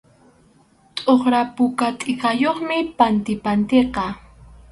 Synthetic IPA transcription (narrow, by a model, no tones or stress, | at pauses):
t̪ʼoχɾapʊkat̪ʼɪkɑjoχmɪpant̪ɪpant̪eqɑ